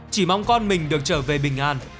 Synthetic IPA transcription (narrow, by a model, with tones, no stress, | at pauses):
t͡ɕi˧˩ma˧wŋ͡mkɔ˧nmï˨˩ŋ̟ɗɨ˨˩ək̚t͡ɕəː˧˩ve˨˩ɓï˨˩ŋ̟ʔaː˧˩n